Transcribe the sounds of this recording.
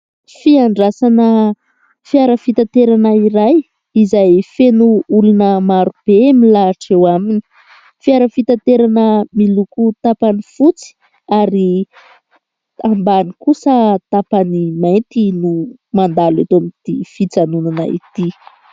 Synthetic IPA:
fiaɳɖ͡ʐasanə | fiaɾəfit̪at̪eɾanəiɾaj | izajfenuulunəmaɾub̥emilaːʈ͡ʂewamini̥ | fiaɾəfit̪at̪eɾanəmilukut̪apanifut͡si̥ | aɾi | ambanikusət̪apanimajnt̪inu | mand̪alat̪oamit̪ifit͡sanunana̰ḭt̪i

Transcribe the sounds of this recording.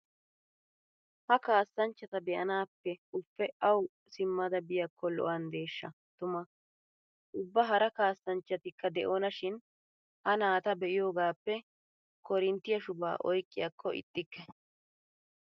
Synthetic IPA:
hɐkaːsːɐnt͡ʃːɐt̪ɐd̪ɛʔɐnaːpːɛʊfːɛɐw | sɪmːɐd̪ɐbɪjɐkːɔlɔ̰ʔɐnd̪e̞ːʃːɐ | t̪ʊmɐ | ʔʊbːɐɦɐɾɐkaːsːɐnt͡ʃːɐt̪ɪkːɐd̪ɛʔoːnɐʃɪn | hɐnaːt̪ɐbɛʔɪjo̞ːɡaːpːɛ | kɔɾɪnt̪ːɪjɐʃʊba̰ːʔɔjkʼːɪjɐkʰːɔɪ̰t̪ʼːɪkːɛ

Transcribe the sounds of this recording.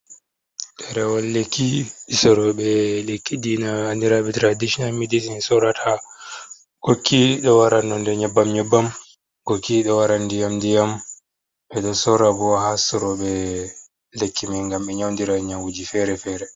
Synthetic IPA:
ɗɛɾɛwɔlːekʰːiɗisɔɾɔɓɛlekːidinahandiɾaɓɛtɾadiʃɔnalmidisinsɔɾatʰa | ɡ̥okʰːiɗɔwaɾanːɔndɛɲɛbːamɲɛbːam | ɡokʰːiɗɔwaɾandijamdijam | ɓɛɗɔsɔɾabɔwahasɔɾɔɓɛ | lekʰːimɛŋɡamɓɛɲawndiɾaɲawud͡ʒifɛɾɛfɛːɾɛ

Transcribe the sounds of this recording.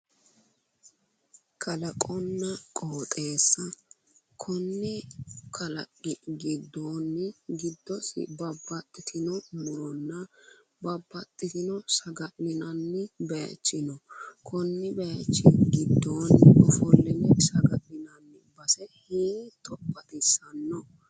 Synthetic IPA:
kʰɐlɐkʼɔnːɐkʼoːt̪ʼe̞ːsːɐ | kʰɔnːɪkʰɐlɐ̰kʼːɪɡɪd̪ːoːnːɪɡɪd̪ːɔsɪ̰bɐbːɐt̪ʼːɪt̪ʰɪnɔmʊɾɔnːɐ | bɐbːɐt̪ʼːɪt̪ɪnɔsɐɡɐlːɪnɐnːɪbɛjɐ̰t͡ʃːɪnɔkʰɔnːɪbɛɐt͡ʃːɪɡɪd̪ːoːnɔfɔlːɪnɪsɐɡɐlːɪnɐnːɪbɐsɛhiːt̪ʼɔpːɐt̪ɪsɐnːɔ

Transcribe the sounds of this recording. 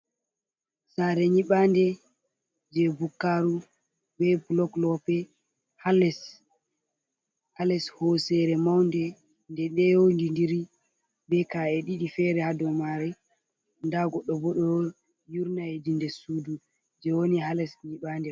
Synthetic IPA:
saɾɛɲiɓandɛ | d͡ʒɛbukːaɾu | bɛblɔklɔpɛ | halɛs | halɛshɔsɛɾɛmawndɛ | ndɛɗɛjowndindiɾi | bɛkaɛɗiɗifɛɾɛhadɔmaɾɛ | ndaɡɔɗːɔbɔɗɔ | juɾnajedindɛsuːdu | d͡ʒɛwonihalɛsɲiɓaːndɛ

